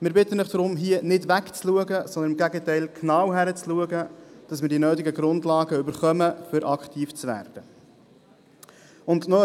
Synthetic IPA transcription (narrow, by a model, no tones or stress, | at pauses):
mɪːɾbɪt̪ənɪχd̥ɾʊmɦiənɪdʋækt͡sluəɡəsɔnd̪ənɪmɡæɡətɛɪlkʰnɑːwɦæɾət͡sluəɡəd̥ɑsmɪːɾdinøːtɪɡəɡɾʊndlɑːɡəʏbəɾχœməfʏɾʔɑkχt̪ʰiːft͡sʋæ̰ːɾd̥ə | ʊndnɔ